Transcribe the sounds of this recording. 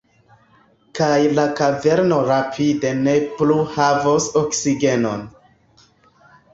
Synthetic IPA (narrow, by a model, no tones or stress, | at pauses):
kajlakave̞ɾno̞ɾapʰide̞ne̞pluhavosoksiɡe̞no̞̰n